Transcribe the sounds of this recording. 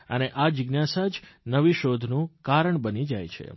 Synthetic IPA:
ə̰neʔad͡ʒɪɡnasad͡ʒnəʋiʃod̪ʱnũkaɾəɳbənid͡ʒa̰jt͡ʃʰḛ

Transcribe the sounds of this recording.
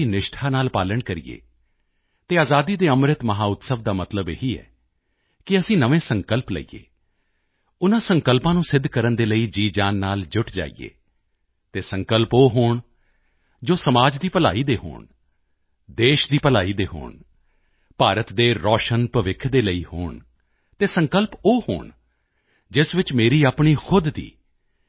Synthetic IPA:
inɪʃʈʰaːnaːlpaːləɳkəɾḭːḛː | t̪eːaːzaːd̪iːd̪eːəmɾɪt̪məɦaːʊt̪səʋd̪aːmət̪ləbeɦiːɛ̰ː | kɪəsĩːnəʋẽːsəŋkəlplə̰ḭːḛː | ʊnãːsəŋkəlpãːnũːsɪd̪ʱkəɾənd̪eːləiːd͡ʒiːd͡ʒaːnːaːld͡ʒʊʈʰd͡ʒa̰ːḭːḛː | t̪eːsəŋkəlpoːɦoːɳ | d͡ʒoːsəmaːd͡ʒd̪iːpəla̰ːiːd̪eːɦo̰ːɳ | d̪eːʃd̪iːpəlaːiːd̪eːɦo̰ːɳ | paːɾət̪d̪eːɾɔːʃənpəʋɪkʰːd̪eːləiːho̰ːɳ | t̪eːsəŋkəlpoːho̰ːɳ | d͡ʒɪsʋɪt͡ʃmeːɾiːaːpɳiːxʊd̪ːḭː

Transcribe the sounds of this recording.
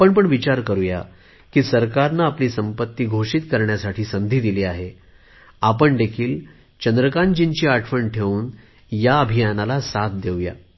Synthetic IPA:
apəɳpəɳʋit͡ɕaɾkəɾuja̰ | kiːsəɾkaɾnaːpliːsəmpət̪ːiːɡʱoʂit̪kəɾɳjasaʈʰiːsəmd̪ʱiːd̪iliːaɦe | apəɳd̪ekʰiːl | t͡ɕənd̪ɾəkaɳd͡ʑiɲt͡ɕiːaʈʰfəɳʈʰeʋuːn | jaəbʱijanalasat̪̚ʰd̪ewja̰

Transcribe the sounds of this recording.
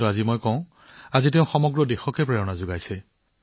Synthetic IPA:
ʊazimojkɔ̃ʊ̃ | aziteʊ̃xɔmɔɡɹɔdexɔkɛpɹɛɹɔnazʊɡajsɛ

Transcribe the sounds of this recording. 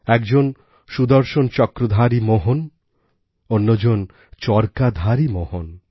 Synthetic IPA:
ɛkd͡ʑon | ʃud̪oɾʃont͡ɕɔkɾod̪ʱaɾimoɦon | onːod͡ʑon | t͡ɕɔɾkad̪ʱaɾimohon

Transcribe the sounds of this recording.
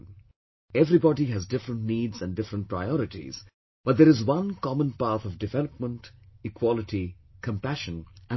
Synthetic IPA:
ɛvɾibɔɖiɦæzdɪfɾə̃ntniːdzæ̃nɖɪfɾə̃nʈ̚pɾa̰ɪɔɾɪʈḭz̥ | b̥ʌʈ̚d̪eɾɨzwʌ̃nkɑmə̃npaɾt̪ɔvɖɪvɛləp̚mə̃nʈɪkʰwɔlɪʈi | kə̃mpæʃə̃næ̃

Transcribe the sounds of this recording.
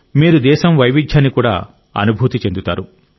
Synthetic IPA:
miːɾud̪ɛːʃɐmʋɐjʋid͡ʒʰʱɐnːikuːɽa̰ː | ɐ̰nubʱuːt̪it͡ʃe̞nd̪ut̪aːɾu

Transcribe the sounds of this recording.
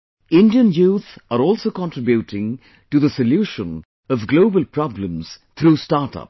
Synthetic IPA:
ɪ̃nɖiə̃njuːt̪səɾɔːlsoʊkɔ̃nʈɾɪbjuʈɪ̃ŋ | ʈuðəsəljuːʃə̃n | ʌvɡloːbəlpʰɾɑblə̃mz̥t̪ʰɾuːstaːɾʈʌ̰p̚

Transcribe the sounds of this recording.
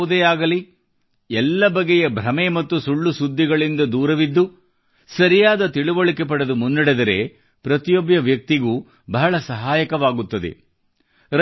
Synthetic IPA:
ud̪eːaːɡɐli | ɛlːɐbɐɡejɐbʱɾɐmemɐt̪ːusuɭːusud̪ʱːiɡɐɭind̪ɐd̪uːɾɐʋid̪ːu | sɐɾijaːd̪ɐt̪iɭuʋɐɭikep̬ɐɽɐd̪umunːɐɽed̪ɐɾe̞̰ | pɾɐt̪ijobjɐʋjɐk̚t̪iɡuː | bɐɦɐɭɐsɐɦaːjɐkɐʋaːɡut̪ːɐd̪e̞̰ | ɾɐ

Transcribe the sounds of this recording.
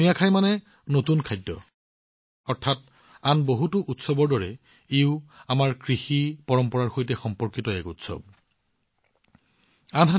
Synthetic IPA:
ijakʰajmanɛ | notunkʰajdːɔ̰ | ɔɹtʰat̚ | anboɦutʊʔutsɔbɔɹdɔɹɛ | eʊamaɹkɹixipɔɹɔmpɔɹaɹxojtɛxɔmpɔɹkitɔɛkṵtsɔ̰b̚ | anɦa

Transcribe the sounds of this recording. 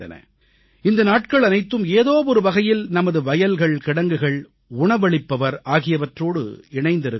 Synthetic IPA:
ɐ̰nɐ̰ | ɪnd̪ɐnaːʈkɐɭɐnɐɪt̪ːɯmeːðoːʋɔɾɯʋɐɣɐjɪlnɐmɐðɯʋɐjɐlɣɐɭkɪɽɐŋɡɯɣɐɭ | ʊɳɐʋɐɭɪpːɐʋɐɾaːɣɪjɐʋɐʈroːɽɯ̰ɪɳɐɪnd̪ɪɾɯ

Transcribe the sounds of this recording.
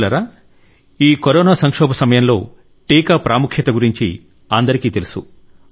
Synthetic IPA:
lɐɾaː | iːkoɾɔːnaːsɐŋkʂɔːbɐsɐmɐjɐmlo̞ː | ʈiːkaːpɾaːmukʰjɐt̪ɐɡuɾiɲt͡ʃḭ | ɐnd̪ɐɾikiːt̪e̞lusu

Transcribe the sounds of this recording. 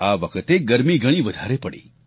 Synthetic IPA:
aʋəkʰət̪eɡəɾmiɡəɽ̃iʋəd̪ʱaɾepəɽḛ

